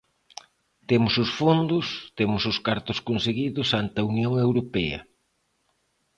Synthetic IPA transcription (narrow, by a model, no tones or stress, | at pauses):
t̪emʊsʊsfond̪ʊst̪emʊsʊskaɾt̪ʊskonseɣiðʊsant̪ɐunjoŋewɾopɛ̰ɐ̰